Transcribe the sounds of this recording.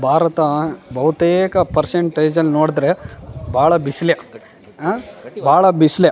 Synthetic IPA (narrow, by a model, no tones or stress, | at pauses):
bʱaːɾɐt̪ɐbʱɐʋɐt̪eːkɐpɐɾseɳʈeːd͡ʒɐlːinoːɽd̪ɾe̞bʱaːɭɐbisle | bʱaːɭɐbislj